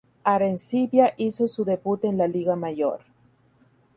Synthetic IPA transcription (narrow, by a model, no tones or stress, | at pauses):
aɾensiβjaʔisosuðebut̪eːnlaliɣamaʝo̰ɾ